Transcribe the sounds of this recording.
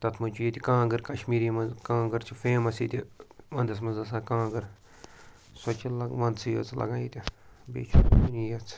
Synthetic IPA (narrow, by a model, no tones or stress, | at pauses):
t̪ɐt̪ʰmɐnt͡ʃʰujit̪ʲikãːɡɨɾkɐʃmiːɾimɐzkãːɡəɾt͡ʃʰifeːmɐsit̪ʲiʋɐ̃nd̪ɐs̬mɐnzɐsãːkãːɡɨɾ | sɐt͡ʃʰilɐʋɐ̃nd̪sʰijɐ̰t͡slɐ̰ɡãːjit̪ʲibḛːt͡ʃʰuuniːjɐt͡s